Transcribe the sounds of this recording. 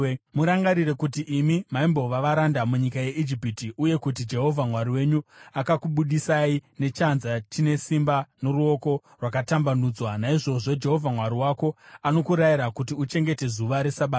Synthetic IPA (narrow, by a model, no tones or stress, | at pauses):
muɾaŋɡaɾire̞kutiʔimimaimbo̞ʋaʋaɾandamuɲikaje̞ʔid͡ʒipitiʔuje̞kut̬id͡ʒe̞ɦo̞vʱamwaɾiwe̞ɲuakakuɓuɗisaine̞t͡ʃanzat͡ʃine̞simbanoruo̞ko̞ | rwakatambanuːd͡zwanaiʐo̞ʐo̞d͡ʒe̞ɦo̞vʱamwaɾiwako̞ano̞kuɾaiɾakutiut͡ʃe̞ŋɡe̞te̞zuʋaɾe̞saɓaːa